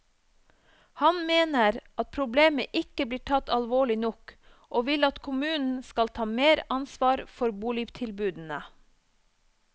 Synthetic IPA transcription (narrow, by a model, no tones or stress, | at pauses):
hɑnmeːnəɾʔɑt̪̚pʰɾʊbleːməʔɪkəbliːʈʰɑt̪ɑlʋoːɭɪnɔk | ʔoːʋɪlɑt̪kʰʊmʉːnn̩skɑlt̪ʰɑːmeːɾɑnsʋɑːɾfɔɾbuːliːʋt̪ʰɪlbʉːd̪n̩ə